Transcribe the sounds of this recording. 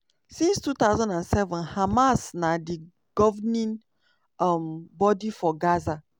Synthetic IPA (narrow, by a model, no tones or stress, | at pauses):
sĩnstut̪awzãndãnsɛvɔ̃nhamasnadi | ɡ̥ɔvnĩn | ɔmbɔdifɔɡaza